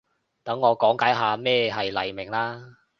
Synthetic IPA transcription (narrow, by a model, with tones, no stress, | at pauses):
t̪ɐ˨˥ŋːɔː˨˧kɔː˨˥ŋkaː˨˥jɦaː˨˧mɛː˥˧ɦɐ˨jlɐ̰˨˩jmɪ˨˩ŋlaː˥